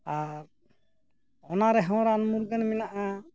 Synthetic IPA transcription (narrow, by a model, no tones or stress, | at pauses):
aɾ | ɔnaɾɛɦɔ̃ɾanmuɾɡanmɛnaʔa